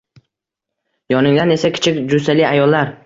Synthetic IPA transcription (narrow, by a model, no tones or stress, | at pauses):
jɒnɪŋd̪ane̞sakʲʰɪ̥t͡ʃʰɪkʲd͡ʒʊsaliajɒlːaɾ